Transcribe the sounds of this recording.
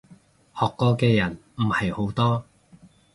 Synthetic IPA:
hɔː˨kːɔː˧kɛː˧jɐ˨˩nm̩˨˩hɐ˨jho˨˥wt̪ɔː˥

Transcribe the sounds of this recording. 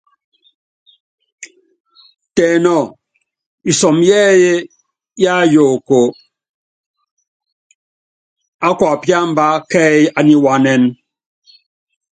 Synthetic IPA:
tɛː˨nɔ˨ | i˨sɔ˨mjɛː˦je˦ | ja˦˨jo˨ko˨ | a˦kwa˨pja˦m̩˦ba˦kɛ˦a˨ni˦wa˦nɛ˦n

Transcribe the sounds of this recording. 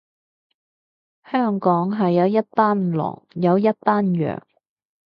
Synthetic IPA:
hœː˥ŋkɔː˨˥ŋɦɐ˨jːɐ˨˧wjɐ˥t̚paː˥n˨lɔ̰ː˨˩ŋjɐ˨˧wjɐ˥t̚paː˥njœ̰ː˨˩ŋ

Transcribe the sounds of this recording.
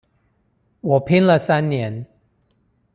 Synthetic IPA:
wɔ˨˩pʰi˦˥nlə˨sa˦nːjɛ˨˦n

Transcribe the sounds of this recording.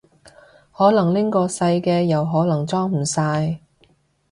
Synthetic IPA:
hɔː˨˥lɐ˨˩ŋlɪ˥ŋkɔː˧sɐ˧jkɛː˧jɐ˨wɦɔː˨˥lɐ˨˩ŋt͡sɔː˥ŋm̩˨˩saː˧j

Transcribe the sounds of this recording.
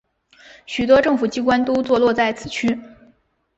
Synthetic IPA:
ɕy˨˩t̪wɔ˥ʈ͡ʂɤ˥˩ŋfu˨˩t͡ɕi˥kwa˥nt̪o˥ʊt͡swɔ˥˧lwɔ˥˧t͡sa˥˩ɪt͡sʰɹ̩˨˩t͡ɕʰy˥

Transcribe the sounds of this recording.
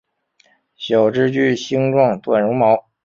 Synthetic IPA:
ɕjɑ˨˩ʊʈ͡ʂɻ̩˥t͡ɕy˥˩ɕi˥ŋʈ͡ʂwɑ˥˧ŋt̪wa˥˩nɻʊ˧˥ŋmɑ˧˥ʊ

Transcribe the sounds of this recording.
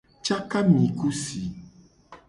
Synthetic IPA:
t͡ʃa˦ka˦mĩ˨ku˦si˨

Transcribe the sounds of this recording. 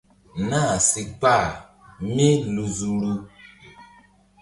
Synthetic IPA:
na˦˨si˨k͡pa˦˨ | me˦lu˨zu˨ɾu˦

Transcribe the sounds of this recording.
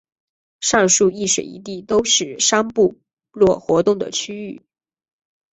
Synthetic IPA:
ʂɑ˥˧ŋʂu˥˧i˥˩ʂwe˨˩ɪḭ˧˥t̪̬i˥˩t̪o˥ʊʂɻ̩˥˩ʂa˥ŋpu˥˧ | lwɔ˥˩xwɔ˧˥t̪ʊ˥˩ŋd̪ə̰˩t͡ɕʰy˥y˥˩

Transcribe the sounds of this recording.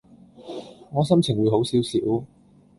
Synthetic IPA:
ŋɔː˨˧s̬ɐ˥mt͡sʰɪ˨˩ŋwuː˨˧jɦo˨˥wsiː˨˥wsiː˨˥w

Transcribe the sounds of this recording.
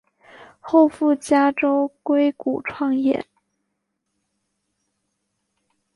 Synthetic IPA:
xo˥˧ʊfu˥˩t͡ɕja˥ʈ͡ʂo˥ʊkwe˥ɪku˨˩ʈ͡ʂʰwɑ˥˧ŋjɛ̰˥˩

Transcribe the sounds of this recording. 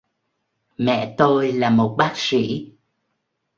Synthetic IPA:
mɛ̰˧˨t̪o˧jlaː˨˩mo˨˩t̚ɓaː˦˥k̚sḭ˧˥˦

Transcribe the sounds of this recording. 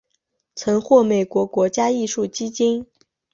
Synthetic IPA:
t͡sʰɤ˧˥ŋxwɔ˥˩me˨˩ɪkwɔ˧˥kwɔ˧˥t͡ɕja˥i˥˧ʂu˥˩t͡ɕi˥t͡ɕi˥n

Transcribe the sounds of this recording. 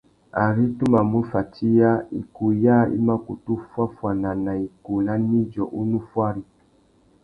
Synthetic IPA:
a̰˨ɾi˦tu˦ma˨mu˦fa˨ti˦ja˦ḭ˨ku˨ja˦ḭ˦ma˦ku˨tu˦fwa˦fwa˨na˨na˨i˨ku˨la˦ni˦d͡ʒɔ˨ʔu˦nu˦fwa˦ɾi˦

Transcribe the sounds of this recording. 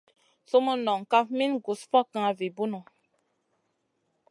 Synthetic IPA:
so˦mo˦nɔ˨ŋ˨ka˦fmi˦nɡu˨sfɔ˦kã˦a˨vi˨bu˦nu˨

